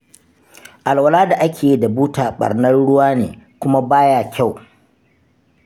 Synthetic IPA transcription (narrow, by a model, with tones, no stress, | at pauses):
ʔa˨lwɐ˨laː˦da˨ʔa˦kʲeː˨ji˦da˨buː˦taː˨ɓɐ̰˨rnɐ˦nɽʊ˦waː˦nḛː˨kʷʊ˦ma˦baː˦jaː˦˨kʲa˦˨w